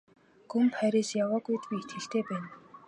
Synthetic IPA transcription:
ɡɵmχæɾʲeːsjawaːɣujt̪pʲiːet̪ɡɘ̆ɬt̪eːpæːn

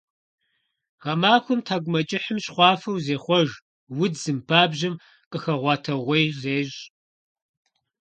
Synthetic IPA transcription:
ʁɐmaːxʷʊmtʰaːɡʷʊmɐt͡ʃʼɪħəmɕχʷɑːfɐwzeːχʷɔʒ | wʊdz̥ɨmpʰaːbʑɪm | qʼəxɐʁʷɑːtʰɐʁʷejzeːɕʼ

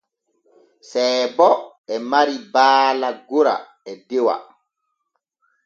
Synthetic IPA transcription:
sɛːbɔ | ɛmaɾibaːlaɡoɾa̰ | ɛdɛwa̰

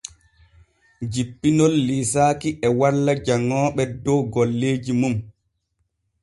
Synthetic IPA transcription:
d͡ʒipːinɔlːiːsaːkiʔɛwalːad͡ʒaŋːɔːɓɛdɔɡɔlːeːd͡ʒimum

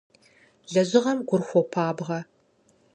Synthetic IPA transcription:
ɮɐʑɪʁɐmɡʷʊrxʷɔpʰaːbʁɐ

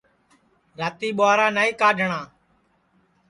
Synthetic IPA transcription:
ɾaːt̪iːɓʊaːɾaːnaːiːkaːɖʱəɳaː

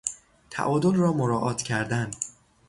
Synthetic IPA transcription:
t̪ʰæ̰ʔɒːd̪olrɒːmoɾɒːʔɒːt̪ʰcʰæɾd̪ænd̪

